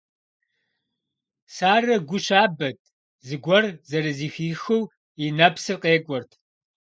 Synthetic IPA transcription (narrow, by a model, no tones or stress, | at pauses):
saːrɐɡʷʊɕaːbɐt̚ʰʼ | zɨɡʷɐrzɐɾɨziːxiːxɨw | inɐpsɨrqʼeːkʷʼɔrtʰ